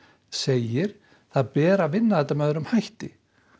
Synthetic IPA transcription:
seːjɪɾ̥ | θaðpɛːɾavɪnːaðɛt̪ːamɛðʏɾʏmhajht̪ɪ

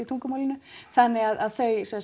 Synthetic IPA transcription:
it̪ʰuŋkʏmawlɪnʏθanːɪɣaðaðθœɥsɛs

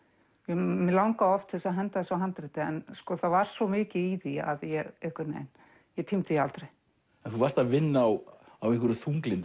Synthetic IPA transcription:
jɛmɪlawŋkaɔft̪θɛsaɦɛnt̪aðɛsawɦant̪ɾɪt̪ɪɛ̰nskɔθavaɾ̥svɔmɪːcɪiðia̰ðjɛɣɪhkɪt̪nḛjn | jɛt̪ʰimt̪ɪialt̪ɾej | ɛnθuvarst̪avɪnːaw | awiŋkʰvʏɾʏθuŋklɪnt̪

